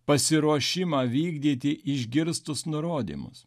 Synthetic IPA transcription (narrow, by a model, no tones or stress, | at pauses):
pɐsʲɪɾuɔʃʲɪmɑːʋʲiːɡd̪ʲiːt̪ʲɪʔɪʒʲɡʲɪɾst̪ʊsnʊɾoːd̪ʲḭːmʊ̰s